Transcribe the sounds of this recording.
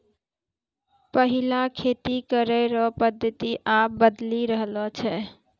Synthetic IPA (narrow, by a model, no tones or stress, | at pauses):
pəɦilakʰet̪ikəɾəɾɔpəd̪ʱːət̪iʔap̚bəd̪liɾəɦlɔt͡ʃʰɛ